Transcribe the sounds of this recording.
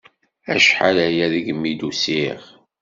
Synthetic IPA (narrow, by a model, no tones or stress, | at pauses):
æ̰ʃħalæjæðiɡmːid̪usiʁ